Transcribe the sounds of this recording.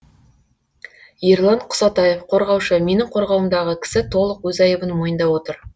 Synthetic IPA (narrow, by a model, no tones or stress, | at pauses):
jeɾlˠɑɴqʰʊ̥sɑt̪ɑje̞fqʰo̞ɾʁɑwʃəme̞nɪŋqʰo̞ɾʁɑwəmd̪ɑʁəkʲʰɪ̥sɪt̪ʰo̞lˠəqwɵzɑjəbənmo̞jənd̪ɑwo̞t̪əɾ